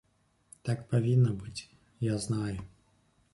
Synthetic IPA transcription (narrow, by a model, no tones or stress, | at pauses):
t̪akpavʲinːɐbɨt͡sʲ | jaznajʊ